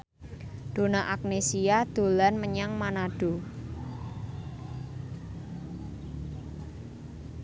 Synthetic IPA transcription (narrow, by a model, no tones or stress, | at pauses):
d̪̥o̤naʔak̚nesiad̪̥o̤lanməɲaŋmanaɖ̥o̤